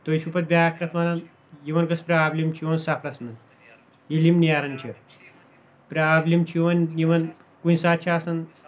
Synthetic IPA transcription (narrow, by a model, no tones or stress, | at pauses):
t̪ojt͡ʃʰupɐt̪̚bʲakːɐt̪ʰʋanɐn | jiʋɐnɡɐspɾʲeaːblʲimt͡ʃʰjiʋɐnsapʰɾɐsnɐn | jilimnijaːɾɐnt͡ʃʰi | pɾʲɐablimt͡ʃʰiʋɐnjiʋɐn | kunʲsaːt̪̚t͡ʃʰaːsɐn